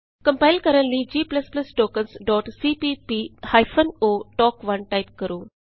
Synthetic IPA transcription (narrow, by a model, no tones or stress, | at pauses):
kə̃mpajlkəɾə̃nlid͡ʑiːplɐsplɐsʈoːkənsɖɔːʈsiːpipihajfʰənoːʈɔːkʋɐnʈajp̚kəɾuː